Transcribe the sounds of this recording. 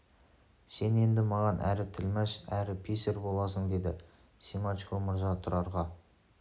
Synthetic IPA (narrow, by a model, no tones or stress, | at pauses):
se̞ne̞nd̪ɪmɑʁɑnʔæ̰ɾɪt̪ʰɪlmæʃæɾɪpʰiseɾbo̞lˠɑsəŋd̪ed̪ɪ | simat͡ʃkomʊɾzɑt̪ʰʊɾɑɾʁɑ